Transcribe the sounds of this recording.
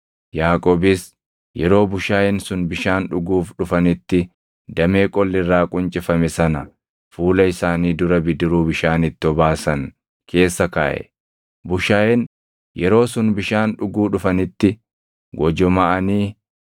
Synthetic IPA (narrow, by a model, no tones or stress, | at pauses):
jaːkʼoːbɪs | jɛɾo̞ːbʊʃaːhɪnsʊnbɪʃaːnᶑʊɡuːfᶑʊfɐnɪt̪ːɪ | d̪ɐme̞ːkʼɔlːɪrːaːkʼʊnt͡ʃʼɪfɐmɛsɐnɐ | fuːlɐɪsaːniːd̪ʊɾɐbɪd̪ɪɾuːbɪʃaːnɪt̪ːɪɔbaːsɐŋ | kʰe̞ːsːɐka̰ːʔɛ̰ | bʊʃaːhɪn | jɛɾo̞ːsʊnbɪʃaːnᶑʊɡuːᶑʊfɐnɪt̪ːɪ | ɡɔd͡ʒɔmɐʔɐniː